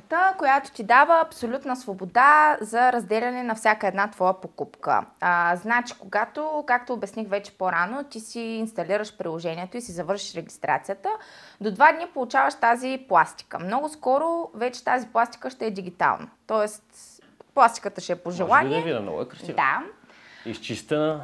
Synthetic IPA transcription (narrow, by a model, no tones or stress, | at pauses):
t̪əkojat̪o̥t̪id̪avəːpsolʲut̪nəsvobod̪azɐɾɐzd̪ɛlʲɐnɛnɐfsʲakəɛd̪nat̪vɔjəpokupkə̰znat͡ʃi̥koɡat̪okak̚t̪oːbɛsnixvɛt͡ʃɛ̥poɾanot̪isiːnst̪ɐliɾəʃpɾilˠoʒɛniɛt̪oisizɐvɤɾʃi̥ʃɾɛɡʲist̪ɾa̰t̪sijət̪əd̪od̪vad̪nipolˠut͡ʃavɐʃt̪aziplˠast̪i̥kə̰mnɔɡʊskɔɾovɛt͡ʃɛ̥t̪aziplˠast̪i̥kəʃt̪ɛɛd̪iɡ̟it̪a̰lˠnɐ̰t̪ɔɛst̪ | plˠast̪i̥kət̪əʃɛɛpoʒɛlˠaniɛvḭnɔ̰kɾɐsid̪a | ist͡ʃist̪ɛnə